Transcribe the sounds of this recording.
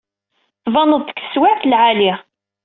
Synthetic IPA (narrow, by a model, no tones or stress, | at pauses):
θvɑnəðˤə̥kːθə̥swaʕθlʕaliʁ